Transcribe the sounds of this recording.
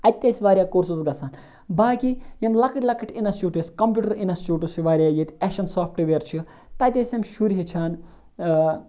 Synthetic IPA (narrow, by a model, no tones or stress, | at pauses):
ɐt̪ʲːɐsʲʋaːɾʲjaːkoɾsuzɡɐsaːn | baːkijɐmlɐkɨʈʲlɐkɨʈʰʲinɐst͡ʃuːʈisʲkɐmpʲjuːʈɐɾinɐst͡ʃuːʈusiʋaːɾʲjaːjit̪ʲɛʃɐnsaːfʰʈʋeɾt͡ʃʰi | t̪ɐt̪ʲesʲɐmʃuɾɦet͡ʃʰaːn